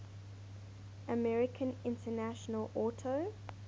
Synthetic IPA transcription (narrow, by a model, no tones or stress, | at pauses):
ʔəmɛɹɪkʰə̃nɪ̃ntʰənaʃənəlɔˑtʰə